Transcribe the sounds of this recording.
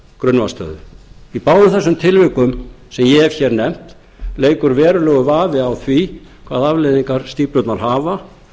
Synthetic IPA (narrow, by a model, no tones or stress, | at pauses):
kɾʏnvast̪œ̰ːðʏ̰ipaːwðʏθɛsːʏmt̪ʰɪlvɪkʏm | sɛmjɛvçɛːɾnɛm̥t̪ | leːjkʏɾvɛːɾʏlɛːɣʏvaːvɪawθvikʰva̰ːðavlejðiŋkaɾ̥st̪iːpɾʏt̪naɾ̥ɦaːva